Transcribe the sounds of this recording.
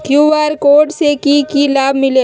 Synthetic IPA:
kjuːʋaːɾkoːɖsekikilaːbmɪle

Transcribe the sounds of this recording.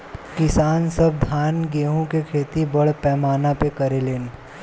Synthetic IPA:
kɪsaːnsɐb̚d̪ʱaːnɡeːɦõkekʰeːt̪ibɐɽpɛːmaːnapekɐɾeleːn

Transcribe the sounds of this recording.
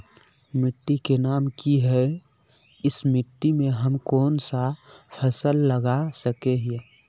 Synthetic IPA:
mɪʈːikenaːmkiɦɛ | ɪsmɪʈːimẽɦəmkɔːnsapʰəsəlːəɡasəkeɦe

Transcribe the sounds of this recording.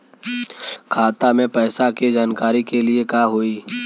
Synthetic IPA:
kʰaːt̪amẽpɛːsaked͡ʒaːnkaːɾikeliekaːɦoiː

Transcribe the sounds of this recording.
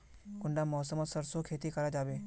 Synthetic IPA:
kʊɳɖaːmɔːsəmɔsəɾsokʰeːt̪ikəɾaːd͡ʒaːʋeː

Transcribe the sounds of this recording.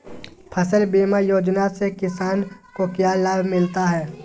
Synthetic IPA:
pʰəsəlbeːmajoːd͡ʒnasekɪsaːnkokjaːlaːbʱmɪlt̪aɦɛː

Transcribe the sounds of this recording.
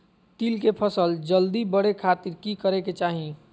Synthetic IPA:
t̪ilkepʰəsəld͡ʒəld̪ibəɽekʰaːt̪iɾkikəɾeket͡ʃaːɦĩ

